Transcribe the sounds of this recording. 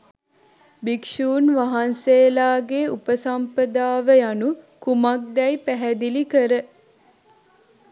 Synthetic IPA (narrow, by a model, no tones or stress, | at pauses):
bikʃuːnʋaɦanseːlaːɡeupəsampəd̪aːʋəjanukumak̚d̪ɛjpæɦæd̪ilikəɾə